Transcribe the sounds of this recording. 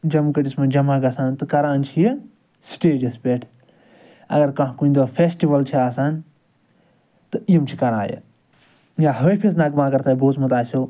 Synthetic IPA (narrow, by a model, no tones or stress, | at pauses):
d͡ʒɐmkɐʈismɐ̃d͡ʒɐmaɡɐsaːnt̪ɨkɐɾaːnt͡ʃʰijɐ | sʈeːd͡ʒɐspʲeʈʰ | ɐ̰ɡɐɾkɐ̃ɦkuind̪oːpʰeːsʈiʋɐlt͡ʃʰiaːsaːn | t̪ɨijɐmt͡ʃʰi̥kɐɾa̰ːjɐ̰ | jaɦəjpʰisnɐɡmaːkɐɾt̪aːiboːt͡smɐt̪aːsoː